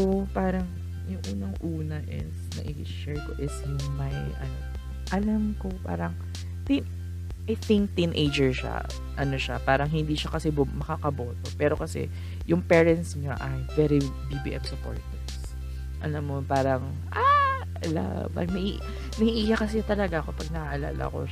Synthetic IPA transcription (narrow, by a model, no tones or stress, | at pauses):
kopaːɾɐŋ | jʊŋʔuːnɐŋʔuːnɐʔɪ̰snɐ̰ʔɪ | ʃɛɹko̞̰ʔɪsjʊŋmɐjʔɐno | ʔɐlɐmkopa̰ːɾɐŋ | t̪ɪŋk | ʔɐjθɪŋk̚t̪inʔejd͡ʒɛɹʃa̰ | ʔɐno̞ʃapaːɾɐŋɦɪnd̪iːʃɐkɐsɛbmɐkakɐbot̪opɛːɾokɐsɛ̰ | jʊŋpɛːɹɛnt̪sɲoʔɐjvɛɾi | bibḭʔɛmsɐpo̰ɹt̪ɛ | s | ʔɐ̰lɐmːopaːɾɐŋ | ʔa | la̰ | vʔɐ̰jmɐʔḭ | nɐhiʔijakɐs̬ɛt̪ɐlɐɡakopɐɡ̚nɐʔaʔɐla̰ːlɐ̰ko̞̰